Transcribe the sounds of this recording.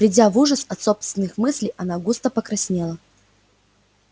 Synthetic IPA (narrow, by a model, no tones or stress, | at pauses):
vɾʲɪdʲavuʐəsɐt̪so̞pst̪vʲɪnːɨxmɨsʲlʲɪjɐnaɡust̪əpəkɾɐsʲnʲelˠə